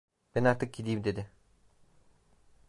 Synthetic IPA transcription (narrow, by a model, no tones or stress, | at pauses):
b̥ɛnaɾt̪ʰɯk̚ɟid̪ijmd̪e̞d̪ɪ